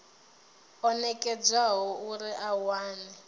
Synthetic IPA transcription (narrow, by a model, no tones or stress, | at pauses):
ɔnɛkʼɛd͡zaɦɔuɾiʔawaːni